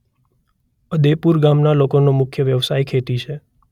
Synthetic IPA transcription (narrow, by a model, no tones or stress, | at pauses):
əd̪epuɾɡamnalokonomʊkʰjəʋjəʋsajkʰet̪it͡ʃʰe